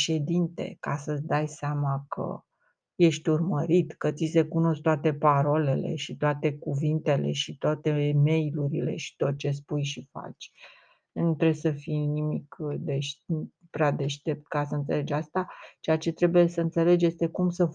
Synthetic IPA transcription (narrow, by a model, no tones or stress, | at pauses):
ʃe̞d̪int̪e̞̰kasəsd̪ajseamakʰə̰ | je̞ʃt̪ʲurməɾit̪kət̪sise̞kuno̞skt̪at̪e̞paɾole̞le̞̰ʃit̪oat̪e̞kuvint̪e̞le̞̰ʃit̪oat̪e̞me̞jluɾile̞̰ʃi̥t̪o̞t̪̚t͡ʃe̞spujʃifa̰t͡ʃʲ | nut̪ɾebsəfijnimikd̪e̞ʃ | pɾead̪e̞ʃt̪e̞p̚t̪kasəɨnt̪sele̞d͡ʒast̪at͡ʃejat͡ʃe̞t̪ɾe̞buje̞səɨnt̪se̞le̞d͡ʒje̞st̪e̞kumsə